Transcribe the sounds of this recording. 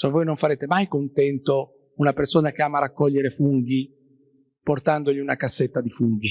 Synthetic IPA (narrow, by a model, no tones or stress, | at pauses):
soavoːjnõɱfaɾeːt̪emajkont̪ɛnt̪o | unapersoːnak̟eaːmaːɾakːɔʎːeɾefuŋɡi | port̪and̪oʎiunakasːet̪ːad̪ifuŋɡi